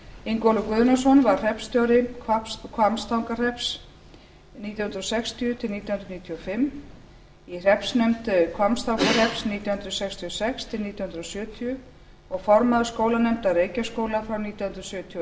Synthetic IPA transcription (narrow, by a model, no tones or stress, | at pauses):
iŋkowlʏkvʏðnɔsɔnvaɾ̥r̥ɛpst̪jɔwɾɪkʰakʰvamst̪awŋkar̥ɛps | niːt̪jawhʏnɾsɛkst̪iʏt̪ʰɪlniːt̪jhʏnɾniːt̪ʰjɔfɪm | ir̥ɛpsnœmt̪kʰvamst̪awŋkar̥ɛpsniːt̪jawhʏnɾʏsɛkst̪ʰijɔsɛkst̪ʰɪlniːt̪jawhʏnd̪ɾasʏːt̪ʰiʏ | ɔɣfɔɾmaðʏskoːwlanɛmt̪areːjcaskoːwlafɾawniːt̪jahnd̪ɾasjʏːt̪ʰ